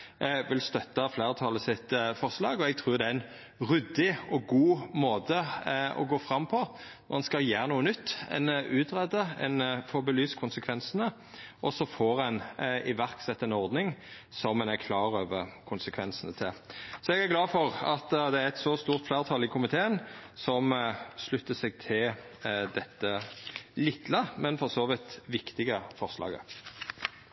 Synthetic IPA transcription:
ʋɪlst̪œt̪ːɑfleːʁt̪ʰɑləsɪt̪fɔʁslɑːɡɔɛɡ̚t̪ʰɾʉːɾd̪ɛæɛn | ʁʉd̪ɪɔɡuːmoːd̪əɔ̰ɡoːfɾɑmːpʰɔnɔʁɛnskɑljeːʁənuːənʏt̪ːɛ̰nʉːt̪ʁɛd̪əɛ̰nfɔɾbəlyːskʰʊnsəkʰʋɛnsənə | ʔɔsɔfoːɾɛnɪʋæʁksɛt̪ːɛnɔɾd̪nɪŋ | sɔmːɛnækʰlɑːʁøːʋəʁkʰʊnsəkʰʋɛnsənət̪ʰɪlsɔɛɡæʁɡlɑːfɔʁɑt̪d̪ɛæɾɛt̪sɔst̪uːʁt̪flæːʁt̪ʰɑlɪkʰʊmɪt̪ʰeːənsɔmslʉt̪ːəsɛɡt̪ʰɪld̪ɛt̪ːəlɪt̪ːləmɛnfɔʁsoːʋɪt̪ʋɪkt̪ɪɡəfɔʁslɑ̰ːɡə̰

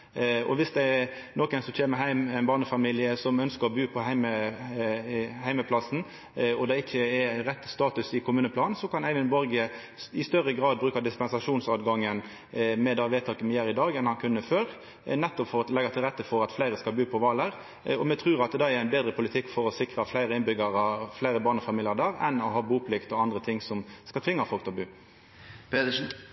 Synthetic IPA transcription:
ɔ̰ʋɪsd̪ɛɛ | nɔkɛɪnsɔmc͡çʰeːməɦæɪmɛɪnbɑːnəfɑmiːlɪəsɔmœnskəɾɔbʉːpʰɔhæɪmə | hæɪməpʰlɑsn̩ | ɔd̪ɛɪçːəɛɾɾɛt̪ːst̪ɑːt̪ʉsɪkʰʊmʉːnəpʰlɑːnnsɔkʰɑnæɪʋənbɔɾɡə | ɪst̪œɾəɡʁɑːd̪̚bɾʉːkɑd̪ɪspɛnsɑʂuːnsɑːd̪ɡɑŋːən | mɛd̪ɑʋeːt̪ʰɑːkəmɛjæːɾɪd̪ɑːɡɛnhɑnkʰʉnːəføːɾ | nɛt̪ːɔpfɔɾɔlɛɡɑt̪ʰɪlʁɛt̪ːəfɔɾɑt̪flæɪɾəskɑlbʉːpʰɔʋɑːləʁ | ɔmɛt̪ʰʁʉːɾɑt̪d̪ɑɛɾæɪnbeːd̪ɾəpʰʊlɪt̪ʰɪkːfɔɾɔsɪkɾəflæɪɾəɪnbʏɡɑɾɑflæɪɾəbɑːnɔfɑmiːlɪɑd̪æːɾɛnɔɦɑːbuːpʰlɪkt̪ɔɑnd̪ʁət̪ʰɪŋsɔmskɑlt̪ʰʋɪŋːɑfɔlkt̪ʰɛlbʉː | pet̪ən̩

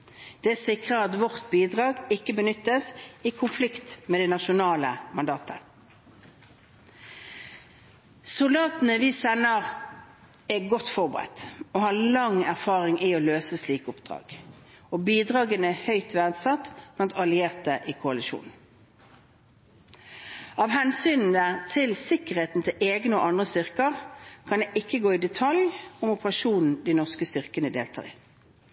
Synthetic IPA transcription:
d̪̥ɛæːsɪkʁəɑt̪ʋɔʁt̪biːd̪ʁɑːɡɪkːəbənʏt̪ːəsiːkʰʊnflɪkt̪meːd̪ɛnɑʃʊnɑːləmɑnd̪ɑːt̪ə | sʊld̪ɑːt̪n̩əʋiːsɛnːəʁ | ɛɡɔt̪ːfɔʁbəʁɛ̰t̪oːhɑːlɑŋæʁfɑːʁɪŋʔioːløːsəsliːkəʊpd̪̥ʁɑ̰ːɡ̥ | obiːd̪ʁɑːɡənəhœʏt̪ʰʋæd̪sɑt̪blɑnt̪ɑlɪeːʁt̪̚d̪ɛʔikʰʊɑlɪʃṵːn | ɑːʋhɛnsyːnn̩ət̪ʰɪlsɪkəʁheːt̪n̩t̪ʰɪlʔeːɡnəo̰ʔɑnd̪ʁəst̪ʏʁkəʁkʰɑnd̪eːʔɪkːəɡoːɪd̪ɛt̪ʰɑljʊmʊpəʁɑʃuːnn̩d̪ɪnɔʁskəst̪ʏʁkənəd̪eːlt̪ʰɑ̰ːʁɪ̰

